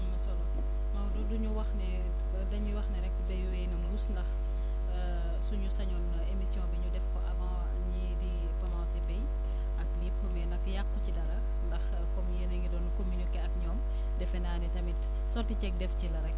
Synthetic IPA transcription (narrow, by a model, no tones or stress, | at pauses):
sɔmɐ | mɐwduduɲuwɐxnɛ | dɐɲiwɐxnɛɾɛk̚ːbɛjwejnɐmlusndɐx | suɲusɐɲɔn | emisjɔ̃ːbiɲudɛfkɔʔɐmɐw | ɲidi | bɐmawsbɛj | ɐkliːpːɔmɛnɐkːjakːucidɐɾɐ | ndɐx | kɔmjeneŋɡidɔnkominikːɛɐkɲɔːm | dɛfɛnaːnɛtɐmit | sɔrtit͡ʃɛk̚dɛfcilɐɾɛk